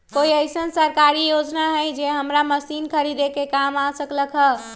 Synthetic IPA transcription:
koiəɪsənsəɾkaɾijod͡ʒnaɦəjd͡ʒeɦəmɾaməsinkʰəɾid̪ekekamasəkləkʰɦə

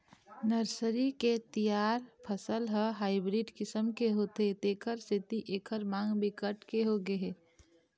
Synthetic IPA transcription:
nəɾsəɾiket̪ijaːɾpʰəsəlɦəɦaːɪbɾiɖkɪsəmkeɦot̪et̪eːkʰəɾsɪt̪iʔeːkʰəɾmãːŋɡbɪkəʈkeɦoɡəɦe

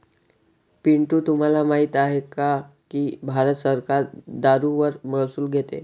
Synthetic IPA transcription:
piɳʈuːt̪um̤alamaɦit̪aɦekakibʱaɾət̪səɾkaɾd̪aɾuʋəɾməɦsuːlɡʱet̪ḛ

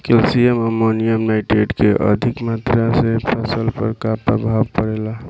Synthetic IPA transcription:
kelsijeməmonijəmnaɪʈeʈkeʔə̰d̪ʱikmat̪ɾasepʰəsəlpə̰ɾkapə̰bʱabkəɾela

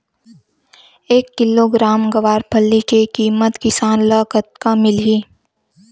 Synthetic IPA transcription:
eːkːɪloɡɾaːmɡəʋaːɾpʰəlːikekiːmət̪kɪsaːnləkət̪kamɪlɦiː

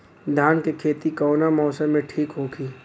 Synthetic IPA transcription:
d̪ʱjaːnkekʰeːt̪ikɔːnamɔːsəmːẽʈʰiːkɦoɡiː

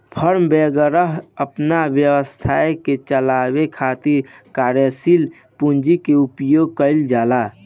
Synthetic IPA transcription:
pʰəɾmbeɡəɾəɦəpnabjəwəst̪ʰaeket͡ʃəlawekʰat̪iɾkaːɾjəsil | pund͡ʒikeupjoɡ̚kəɪld͡ʒaːla

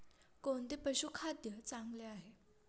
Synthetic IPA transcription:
kont̪epəɕukʰad̪jət͡saŋɡleaɦe

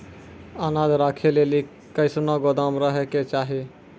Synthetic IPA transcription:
anaːd̪ɾaːkʰeleli | kəɪsnɔɡod̪aːmɾəɦeket͡ʃaːɦi

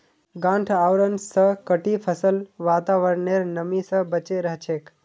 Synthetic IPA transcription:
ɡãɳʈʰawɾənsə̃kəʈipʰəsəlʋat̪aʋəɾneɾnəmisə̃bət͡ʃeɾəɦt͡ʃʰek

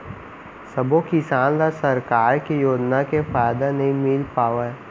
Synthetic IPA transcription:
sɐbokɪsaːnlasɐɾkaːɾkijoːd͡ʒnakefaːjd̪anɐɦĩmɪlpaːʋaɛ

